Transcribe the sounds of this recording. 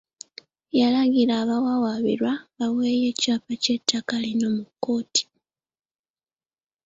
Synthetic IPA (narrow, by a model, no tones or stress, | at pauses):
jalaɡiɾaːβawawaβḭɾwaβawe̞ːje̞ːcaːpace̞tʰːakalino̞mukːo̞ːti̥